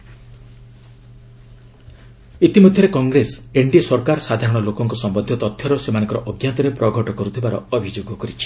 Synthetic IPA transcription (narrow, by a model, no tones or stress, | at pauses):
it̪imod̪ʱjɔɾekɔŋɡɾeseɳɖiesɔɾkaɾɔsad̪ʱaɾɔɽ̃ɔlokɔŋkɔsɔmbɔnd̪ʱjɔt̪ɔt̪ʰjɔɾɔsemañɔŋkɔɾɔʔɔɡjant̪ɔɾepɾɔɡʱɔʈɔkɔɾut̪ʰibaɾɔ̰ːbʱid͡ʒoɡɔkɔɾit͡ʃʰi̥